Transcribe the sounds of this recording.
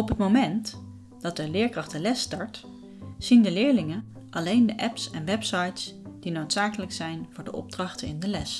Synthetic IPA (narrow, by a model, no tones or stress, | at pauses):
ɔpɦətmomɛnt | d̥ɑt̚dəlɪːɹkrɑχtəlɛstɑɹt | z̥indəlɪːɹlɪŋən | ʔɑlejndəʔɛpsɛnʋɛpsɑjtsd̥inowtsaːkələksɛjnvʊːɹdəʔɔ̰b̚drɑχtəɪ̰ndəlɛs